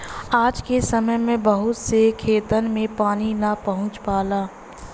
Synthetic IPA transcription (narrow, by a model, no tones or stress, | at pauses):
aːd͡ʒkesəməjmẽbəɦʊt̪sekʰeːt̪ənmẽpaːninapəɦʊ̃t͡ʃpaːlaː